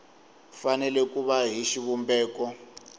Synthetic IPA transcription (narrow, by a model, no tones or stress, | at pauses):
fanɛlɛkʼuβaɦiʃiβumbɛːkɔ